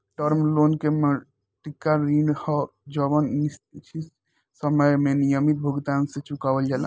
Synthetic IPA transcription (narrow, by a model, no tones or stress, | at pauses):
ʈəɾmlonkemə | ʈikːaɾiɳɖhɔ | d͡ʒəbənːist̪t͡ʃʰi | səməjmenijəmit̪̚bʱuɡt̪ansẽt͡ʃukabəld͡ʒala̰